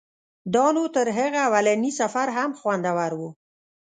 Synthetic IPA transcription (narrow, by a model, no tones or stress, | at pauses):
d̪ɑnot̪əɾɦəɣaːwalanisafaɾɦamxwand̪awaɾwu